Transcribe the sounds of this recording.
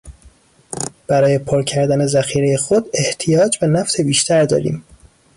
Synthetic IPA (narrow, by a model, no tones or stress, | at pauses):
b̥æɾɒːjepʰoɾcʰæɾd̪æne̞zæxiːɾe̞je̞xod̪e̞ht̪ʰijɒːd͡ʒbenæft̪ʰe̞biːʃt̪ʰæɾd̪ɒ̰ːɾḭːm